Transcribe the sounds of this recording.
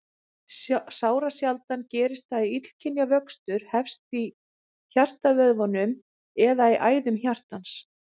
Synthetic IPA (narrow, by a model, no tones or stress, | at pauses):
saːwɾasjalt̪ancɛːɾɪst̪aiit̪l̥cʰɪnjavœkst̪ʏɾ̥hɛfst̪i | çar̥t̪avœðvɔnʏm | ɛðaiʔaːjðʏmçjar̥t̪ans